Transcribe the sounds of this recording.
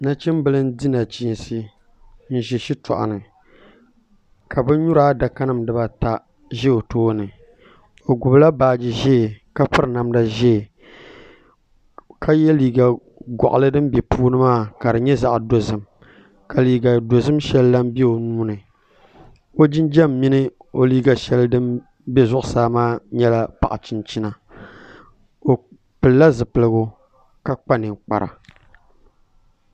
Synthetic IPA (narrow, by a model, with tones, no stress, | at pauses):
na˦t͡ʃɪ˦m˦bɨ˦lɨ˦ndi˦na˨t͡ʃi˨˦n˨sɨ˦ | n̩˦ʒɛ˨ʃi˦tɔ̰˨ʔa̰˨nɨ˨ | ka˨bɨ˦ɲu˦ɾaː˦da˨ka˦nɨ˦˨mdɨ˦ba˦ta˨ | ʒɛ˦o˨toː˦nɨ˨ | o˨ɡʊ˨bla˦baː˨d͡ʒi˨ʒɛ˦˨ka˦pɨ˦ɾɨ˨na˨mda˦ʒɛ˦˨ | kʰa˦jɛ˦liː˨ɡa˨ | ɡɔ̰˨ʔa̰˨lɨ˦dɨ˦mbɛ˨puː˦nɨ˦maː˦˨ka˨ɾɨ˨ɲɛ˦za˦ʔdo˨zɨ˨m | ka˨liː˨ɡa˨do˨zɨ˦mʃɛ˦lːa˦m˦bɛ˦o˨nuː˦nɨ˨ | o˦d͡ʒɪ˦nd͡ʒɛ˦mːi˦nɨ˦o˦liː˦ɡa˨ʃɛ˦ldɨ˦m | bɛ˦zʊ˦ʔʊ˨saː˦maː˦ɲɛ˦la˦pa̰˨ʔa̰˨t͡ʃɪ˦nt͡ʃi˦na˨ | o˨ | pɨ˨lla˦zɨ˨pɨ˨lɨ˨ɡo˦ | ka˦k͡pa˦nɨ˨k͡pa̰˨ɾa̰˨